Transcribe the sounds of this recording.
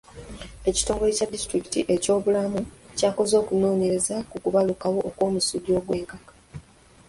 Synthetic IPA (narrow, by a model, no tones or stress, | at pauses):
e̞ci̥to̞ːŋɡo̞e̞cadːistɾiki̥tiʔe̞co̞ːβulamucaːko̞zo̞ːkuno̞ːɲeɾezakukuβalukawo̞ʔːkwo̞ːmusuɟio̞ːɡwe̞ːŋkakḁ